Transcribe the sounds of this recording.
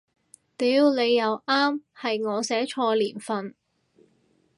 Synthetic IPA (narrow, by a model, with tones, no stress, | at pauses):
t̪iː˨˧˥wle˨˧jːɐ˨˧wʔaː˥mhɐ˨jŋɔː˨˧sɛː˨˥t͡ʃʰɔː˧liː˨˩nfɐ˨n